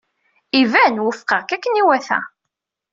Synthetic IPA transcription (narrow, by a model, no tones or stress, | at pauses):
ivænwəfqəʁkækːəniwæθæ̰